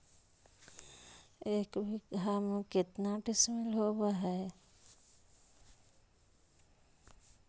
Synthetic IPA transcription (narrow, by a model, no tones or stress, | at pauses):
ekbʱikɦamuket̪naʈismelɦobaɦɛj